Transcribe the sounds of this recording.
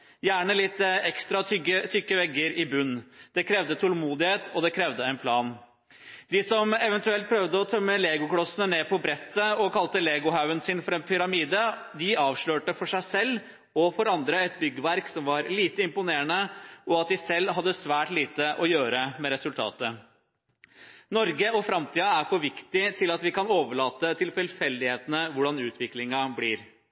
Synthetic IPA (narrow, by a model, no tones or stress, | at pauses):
jæːɳəlɪt̪ːɛkst̪ɾɑtʰʏət̪ʰʏkːəʋɛɡːəɾɪbʉnːd̪̥ɛkʰɾɛʋd̪ət̪ʰɔlmuːd̪ɪheːt̪ʰɔd̪ɛkʰɾɛʋd̪əɛɪnpʰlɑːn | d̪ɪsɔmɛʋɛnt̪ʉɛlt̪̚pʰɾœʋd̪əɔt̪ʰœmːəleːɡʊkɽɔsənəneːpʰɔbɾɛt̪ːəɔkʰɑlt̪əleːɡʊɦaʉənsɪːnfɔɾɑɛːnpʰʏɾɑmiːd̪ə | d̪ɪɑːʋʂɭøːʈəfɔʂæɪsɛlː | ɔfɔɾɑnd̪ɾəɛt̪bʏɡːəʋæɾksɔmʋɑɾliːt̪əɪmpʊneːəɳəʔɔɑt̪̚d̪ɪsɛlːɦɑd̪ːəsʋæːʈliːt̪əʔɔjøːɾəmɛɾɛsʉlt̪ʰɑ̰ːt̪ə | nɔɾɡəɔfɾɑmt̪ʰiːɑæɾfɔʋɪkt̪ɪt̪ʰɪlɑt̪ʋɪkɑnoːʋəɭɑːt̪ət̪ʰɪlfɪlfɛld̪ɪheːt̪ənəʋʊɖɑnʉːt̪ʰʋɪklɪŋɑbliːɾ